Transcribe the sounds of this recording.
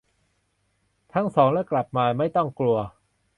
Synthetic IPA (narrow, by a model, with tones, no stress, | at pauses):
t̪ʰa˦˥˩ŋsɔː˩˦ŋlɛː˦˥˩kla˨˩p̚maː˧ma˥˩jt̪ɔ˥˩ŋklu˧ɐ